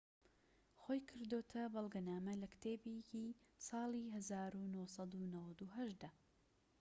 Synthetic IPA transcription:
xojkʰɨɾd̪oːt̪ʰɐbɑlˠɡɐnaːmɐlɐkt̪ʰeːbecisɑːlˠiɦɐzaːɾunosɑd̪unɐwɐd̪uɦɐʃd̪a

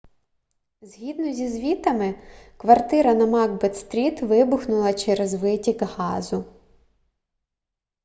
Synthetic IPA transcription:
zʲɦʲid̪nɔzʲizʋʲit̪ɐmɪkʋɐrt̪ɪɾɐnɐmɑɡbɛt̪st̪ɾʲit̪ʋɪbʊxnʊlˠɐt͡ʃɛɾɛzʋɪtʲikɦɑzʊ

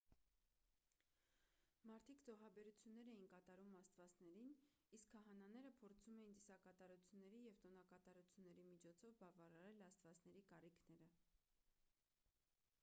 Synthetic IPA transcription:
mɑɾt̪ʰikd͡zɔʁɑbɛɾut͡sʰjunːɛɾɛjinkɑt̪ɑɾumɑst̪vɑt͡snɛɾin | iskʰːɑɦɑnɑnɛɾəpʰɔɾt͡sʰumɛjint̪isɑkɑt̪ɑɾut͡sʰjunːɛɾijɛvt̪ɔnɑkɑt̪ɑɾut͡sʰjunːɛɾimit͡ʃʰɔt͡sʰɔvbɑvɑɾɑɾɛlɑst̪vɑt͡snɛɾikɑrikʰnɛɾə

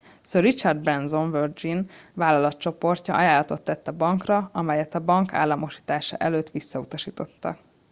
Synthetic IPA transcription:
soɾit͡ʃɒrd̪̚brɛnzoɱvørd͡ʒinvaːlɒlɒt̪t͡ʃo̞po̞rcɒʔɒjaːlːɒt̪o̞t̪ːɛt̪ːɒbɒŋkrɒɒmɛjɛt̪ɒbɒŋkʰa̰ːlːɒmo̞ʃi̥ːt̪aːʃɒ̰ʔɛløːt̪ʋisːɒut̪ɒʃiːt̪o̞t̪ːɒ̰

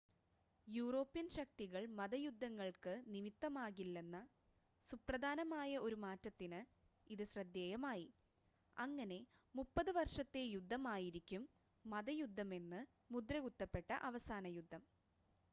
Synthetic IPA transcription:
juːro̞ːpːjɐnɕɐk̚t̪iɣɐɭmɐðɐjud̪ʱːɐŋːɐɭkɨnimit̪ːɐmaːɣilːe̞nːɐ | suprɐd̪ʱaːnɐmaːjɐo̞ɾumaːtːɐt̪ːinɨ | iðɨɕrɐd̪ːjeːjɐmaːji | ɐŋːɐne̞mupːɐðɨʋɐrʂɐt̪ːe̞jud̪ʱːɐmaːjiɾikʲːumː | ɐðɐjud̪ʱːɐme̞nːɨ | mud̪ɾɐɣut̪ːɐpːe̞ʈːɐ̰ʔɐʋɐsaːnɐjud̪ʱːɐm

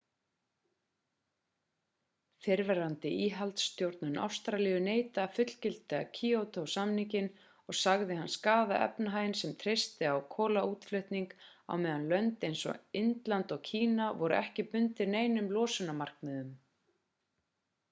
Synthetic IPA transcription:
fɪɾvɛɾant̪ɪʔiːɦalt̪st̪jowɾt̪nʏnʔa̰wst̪ɾalɪːjʏneːjt̪aːfʏt̪l̥cɪl̥t̪ɪa̰cʰiːowt̪ʰowsamniŋcɪn | ɔɣsaɣðɪhanːskaːðaʔɛ̰pnaɦaːjnsɛmt̪ʰɾejst̪ɪawkʰɔːlauːt̪flœɥht̪niŋka̰wmɛːðanlœnt̪ejnsɔ̰ɪnt̪lant̪ɔɣcʰiːnavɔɾʏ̰ʔɛhcɪpʏnt̪ɪɾneːjnʏmlɔːsʏnamar̥kmɛðʏm

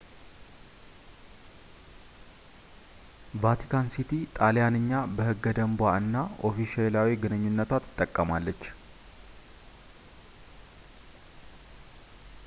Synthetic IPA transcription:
vat̪ʰi̥kʰansit̪ʰit̪ʼalejanɨɲːabəhɨɡːəd̪əmbwaɨnːaʔo̞fiʃɛlawiɡɨnɨɲːunːət̪ʰwat̪ʰːɨ̥t̪ʼːəkʼːəmalːət͡ʃː

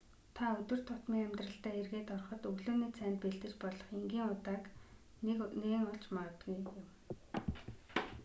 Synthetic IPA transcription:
t̪ʰaɵt̪ɵ̆r̥t̪ʰʊt̪miːŋæmt̪rə̆ɬt̪æːerɣeːt̪ɔrχɞ̆t̪ɵɣɮoːniːt͡sʰæːnt̪peɮt̪ɘ̆t͡ɕpɔɮɞ̆χeŋɡiːŋʊt̪aːk | neŋʊɮt͡ɕmaʁə̆t̪ɡujɪm

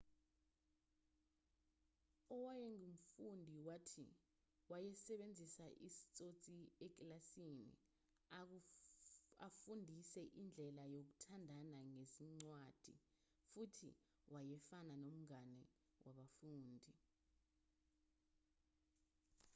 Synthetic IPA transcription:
ɔwajɛŋum̩fundʱiwatʰḭ | wajɛsɛɓend͡zʱisaʔisi̥t͡sʼot͡sʼiɛk̬ʼlasinḭ | afundʱisɛʔind͡ɮʱɛlajok̬utʰandʱanaŋeziŋ͡ǀwad̥ʱḭ | futʰḭ | wʔajɛfananom̩ŋanɛ̰ | wʔaɓafuːndʱi

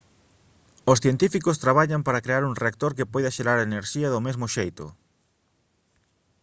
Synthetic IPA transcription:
osθjent̪ifikost̪ɾaβaʎampaɾɐkɾeaɾuŋreak̚t̪oɾkepɔjðɐʃeɾaɾaeneɾʃiɐðomezmʊʃejt̪ʊ̰

